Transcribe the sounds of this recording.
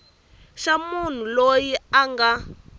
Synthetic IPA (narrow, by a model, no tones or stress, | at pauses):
ʃamun̤ulojiaŋɡa